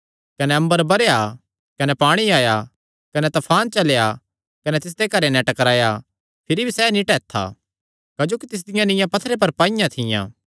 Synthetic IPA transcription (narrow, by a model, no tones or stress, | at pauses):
kɐnɛɐ̃mbəɾbɐɾeja | kɐnɛpaːɽ̃iaːja | kɐnɛt̪ɐpʰaːnt͡ʃɐlja | kɐnɛt̪ɪs̬d̪ekɐɾenɛ̃ʈɐkɾaːja | pʰɪɾibʱisɛːnĩʈɛːt̪ʰːa̰ | kad͡ʒoːkit̪ɪs̬d̪ɪjãnɪ̃jãpɐt̪ʰːɾep̬ɐɾpaːɪjãt̪ʰɪjã̰ː